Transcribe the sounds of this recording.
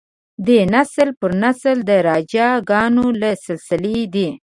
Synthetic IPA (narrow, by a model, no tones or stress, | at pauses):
d̪enaslpəɾnasld̪əɾɑd͡ʒɑɡɑnolasɪlsɪled̪i